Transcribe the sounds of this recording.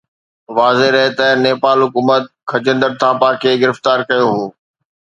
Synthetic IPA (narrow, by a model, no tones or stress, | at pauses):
ʋaːzeɾɐɦet̪ɐ̃neːpaːlɦʊkuːmət̪̚kʰɐd͡ʑə̃nd̪əɾt̪ʰãːpaːkʰeɡɪɾɪft̪aːɾkɐjoɦoː